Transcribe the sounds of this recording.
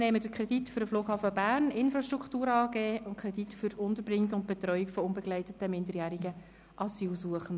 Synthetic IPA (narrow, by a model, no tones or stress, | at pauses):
nɛːmədəkʰɾɛd̥itføɾəfloːɡ̥hɑːfəbæːrnɪnfɾɑʃtɾʁukʰtuːɾɑːɡeːʔʊntkʰɾɛditfʏɾʊntəɾbɾɪŋːiɡʊnt̚b̥ɛtɾœʏikfɔʊnbɛɡlæɪtətəmɪndəɾjæːɾiɡə | ʔɑsiːlsuəχən̩